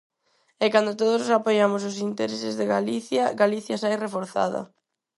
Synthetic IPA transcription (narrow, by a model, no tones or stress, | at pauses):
ɛkand̪ot̪oð̞ʊssapojamʊsʊsint̪eɾesɪzðeɣaliθjɐɡaliθjɐsajrefoɾθa̰ðɐ̰